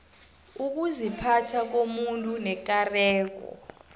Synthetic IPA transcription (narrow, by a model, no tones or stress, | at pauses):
uk̬uzipʰatʰak̬omuntʼunɛk̬arɛːk̬ɔ̰